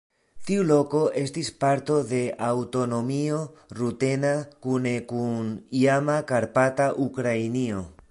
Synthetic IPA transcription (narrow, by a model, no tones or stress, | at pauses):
tiulo̞ko̞ʔe̞stispaɾt̪o̞ðe̞ʔawt̪o̞no̞mio̞ɾut̪e̞nakune̞kuniamakaɾpataʔukɾajnio̞